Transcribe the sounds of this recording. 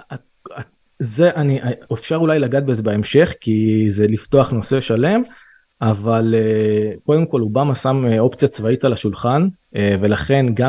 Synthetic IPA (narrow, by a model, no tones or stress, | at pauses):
a | ze̞ʔaniʔaefʃaʁulajlaɡat̪̚beze̞beemʃe̞χkize̞lift̪o̞aχno̞se̞ʃale̞m | avaleko̞d̪e̞mko̞lubamasameo̞pt͡sijat͡svait̪alaʃulχan | ve̞laχe̞nɡa